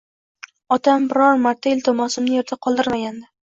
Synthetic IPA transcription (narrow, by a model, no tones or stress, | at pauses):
ɒt̪ʰambɪɾɒɾmaɾt̪ʰaɪlʲt̪ʰɒmɒsɪmnɪjeɾt̪ʰaqʰɒlˠd̪ɪɾmaɡʲand̪ɪ